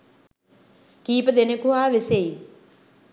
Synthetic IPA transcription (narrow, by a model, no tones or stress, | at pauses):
kiːpɐd̪enekuɦaːʋesej